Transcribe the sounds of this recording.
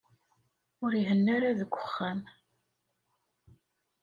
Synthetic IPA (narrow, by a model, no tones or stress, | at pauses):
ʊɾiɦənːaɾaðəɡʷːə̥χːæm